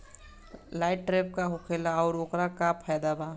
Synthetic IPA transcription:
laːɪʈ̚ʈːɾeːp̚kaɦʊkʰeːlaɔːɾoːkɾakapʰaːd̪abaː

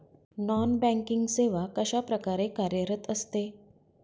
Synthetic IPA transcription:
nɔnbɛ̃ŋkiŋɡseʋakəɕapɾəkaɾekaɾjəɾət̪əst̪e

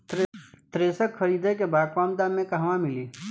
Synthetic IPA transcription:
t̪t̪ɾeːsəkʰːəɾiːd̪ʱek̬ebaːkʋaːmd̪amẽkaɦʋãmɪliː

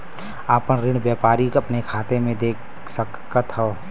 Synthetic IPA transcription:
aːpənɾɪɳ̃bjɛːpaːɾikəpnekʰaːt̪emẽd̪eːk | səkkət̪ɦəː

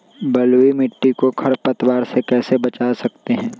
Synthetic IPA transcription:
bɐlwimɪʈːikokʰɐɾpɐt̪waːɾsekɛːsebɐt͡ʃaːsɐk̚t̪eɦɛ̃ː

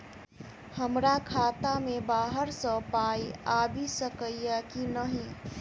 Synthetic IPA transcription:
həmɾakʰaːt̪amẽbaːɦəɾsə̃paːiaːbʱisəkəijɛkinəɦĩ

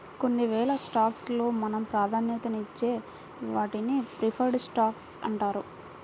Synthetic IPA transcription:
ko̞nːiʋɛːɭɐsʈaːkslo̞ːmɐnɐmpɾaːd̪ʱaːnjɐt̪ɐnit͡ʃːe̞ː | ʋaːʈinipɾipʰɐɾɖsʈaːks | ɐ̰ɳʈaːɾu

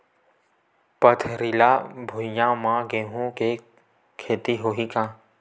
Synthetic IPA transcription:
pət̪ʰɾilaːbʱʊjãːmãːɡeːɦũke | kʰeːt̪iɦoːɦikãː

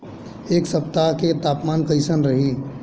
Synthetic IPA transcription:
eːksɐpt̪aɦket̪aːpmaːnkəɪsənɾɐɦi

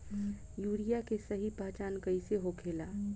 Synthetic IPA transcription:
juːɽijakesəɦipaɦt͡ʃaːnkəɪseɦokʰeːlaː

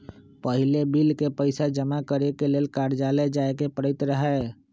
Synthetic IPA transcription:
pəɦɪlebilkepəɪsad͡ʒəmakəɾekeleːlkaːɾd͡ʒaːled͡ʒaːekepəɽɪt̪ɾəɦɛ

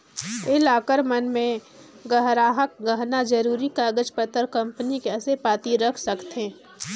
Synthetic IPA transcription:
ɪlaːkəɾmənmẽ | ɡɐɦɾaːɦək̚ɡɐɦnad͡ʒɐɾuːɾikaːɡəd͡ʒpət̪əɾkɐ̃mpənikɛːsepaːt̪iɾɐkʰsɐkt̪ẽː

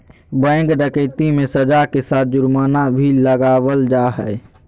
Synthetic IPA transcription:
bɛ̃ːŋɡɖəkeːt̪imẽsɐd͡ʒakesaːt̪̚ʰd͡ʒʊɾmaːnabʱiləɡaːʋəld͡ʒaːɦɛe

